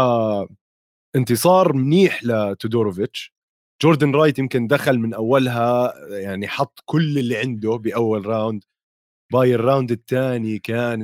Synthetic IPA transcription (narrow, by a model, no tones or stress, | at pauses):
a | ʔɪnt̪ɨsˤɑːɾˤmniːħlɪt̪ʊd̪oːɾʊvɪt͡ʃ | d͡ʒoːɾd̪anɾˤɑːjt̪jɪmkɪnd̪axalmɪnʔawːalɦajaʕniħɑt̪ˤːkʊlːɪlːiʕɪnd̪ʊbɪʔawːalɾˤawnd̪ | baːjɪrːawnd̪ɪt̪ːaːnikaːn